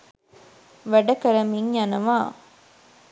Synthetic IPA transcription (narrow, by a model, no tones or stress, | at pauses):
ʋɐɖɐkɐɾɐmiŋjɐnɐʋaː